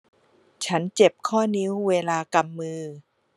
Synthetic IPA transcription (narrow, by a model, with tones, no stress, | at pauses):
t͡ɕʰa˦˥nt͡ɕe˨˩p̚kʰɔː˥˩ni˦˥wweː˧laː˧ka˧mːɯː˧